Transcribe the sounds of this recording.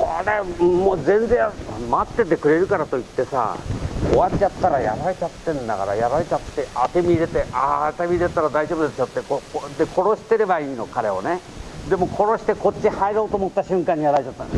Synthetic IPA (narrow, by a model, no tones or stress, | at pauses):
koɾemoːzẽ̞nzẽ̞ɰmat̪ːe̞t̪e̞kɯ̟ɾe̞ɾɯ̟kaɾat̪o̞it̪ːe̞sa̰oβat͡ɕat̪ːaɾaja̰ɾaɾet͡ɕat̪ːẽ̞nd̪a̰ɡa̰ɾa̰jaɾaɾet͡ɕat̪ːeʔat̪emʲiːɾe̞t̪eʔat̪emʲiɾet̪aɾad̪aiʑo̞ːbɯd̪et͡ɕot̪ːekood̪ekʰo̞ɾo̞ɕi̥t̪e̞ɾe̞baiːnokaɾe̞o̰ne | d̪e̞mo̞kʰo̞ɾo̞ɕi̥t̪e̞ko̞t͡ɕt͡ɕːihaeɾo̞ːt̪oːmo̞t̪ːaɕɨ̃ŋkãɲ̟ːijaɾaɾet͡ɕat̪ːan